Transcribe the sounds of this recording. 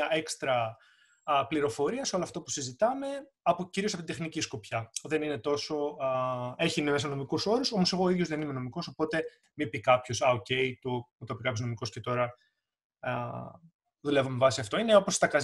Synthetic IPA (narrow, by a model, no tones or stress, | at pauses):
ɐe̞kst̪ɾɐ | pliɾo̞fo̞ɾiɐseo̞loɐft̪opu̥sizit̪ɐme̞ | ɐpociɾiosɐpot̪id̪nicisko̞pçɐðe̞nine̞t̪o̞so̞ | e̞çiinemes̬ɐno̞mikuso̞ɾuso̞mose̞ɣoːiðʝozðenime̞no̞miko̞so̞po̞t̪e̞ | mipikɐpço̞sɐoce̞jt̪uut̪opikɐpço̞zno̞miko̞sce̞t̪o̞ɾɐ | ðule̞vomevɐsiɐft̪o̞ine̞o̞post̪ɐkɐz